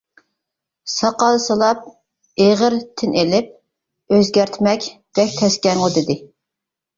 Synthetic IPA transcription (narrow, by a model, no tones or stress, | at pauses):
sɑqɑlˠsɨlˠɑp̚ | eʁəɾt̪ʰɪnelɪp̚ | øzɡʲæɾt̪ʰmɛkʲb̥ɛkʲt̪ʰɛskʲɛŋʁʊd̪ɪd̪ɪ